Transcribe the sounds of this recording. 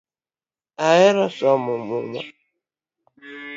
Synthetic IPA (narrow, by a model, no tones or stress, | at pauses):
aɣɪɾɔsɔmʊmʊma̰